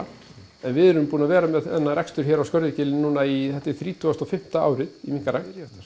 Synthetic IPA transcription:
ɛnvɪðɛɾʏmpuːnavɛːɾamɛðɛnːaɾɛkst̪ʏɾ̥çɛːɾawskœɾðɪcɪlɪnnuːnaiθɛht̪ːɪθɾiːt̪ʰuast̪ɔfɪm̥t̪aa̰ːwɾɪðimiŋkaɾa

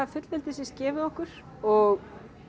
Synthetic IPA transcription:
avfʏt̪l̥vɪlt̪ɪsɪscɛːvɪðɔhkʏɾ̥ | ɔɣ

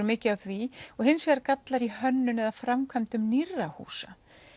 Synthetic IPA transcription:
ɾʏmɪːcɪawθviɔɣɦɪnsvɛɾaɾkat̪laɾihœnːʏnɛðafɾamkʰvamt̪ʏmnirːahṵːsa

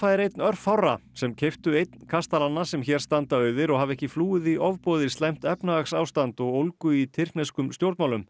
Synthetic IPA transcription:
fajðɪɾejt̪nœɾ̥fhawrːa̰sɛmcʰeft̪ʏejt̪n̥kʰast̪alanːasɛmçɛːɾ̥st̪ant̪aœːɥðɪɾɔɣhavɛhcɪfluːɪðiʔɔvpɔːðɪ̥st̪lajm̥t̪ɛpnaaksaːwst̪ant̪ɔɣowlkʏit̪ʰɪrk̪nɛskʏmst̪jowɾt̪mawlʏm

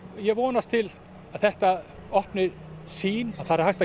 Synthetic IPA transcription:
jɛɣvɔːnast̪ʰɪl | aðθɛht̪a | ɔhpnɪɾ | siːnaðθaɾɾ̥hajxt̪a

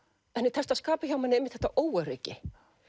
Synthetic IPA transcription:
ɛnːɪt̪ʰɛɾst̪askaːpaçaːwmanːɪejmɪt̪θɛt̪aʔoːwœɾecɪ

